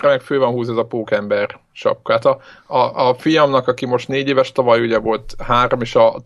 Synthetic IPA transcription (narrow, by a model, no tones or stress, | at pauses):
ɾɛmɛkføːvɒnɦuːzɛzɒpoːkɛmbɛr | t͡ʃɒ̰pkaːt̪ɒɒːfijɒmnɒkɒkimo̞ʃt̪neːɟeːvɛʃt̪ɒvɒjuɟɛvo̞lt̪haːɾo̞meːʃɒ